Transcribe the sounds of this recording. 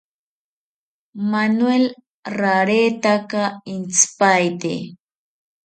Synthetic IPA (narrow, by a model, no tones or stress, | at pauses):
manwel | ɾaɾet̪akaɪnspajt̪ḛ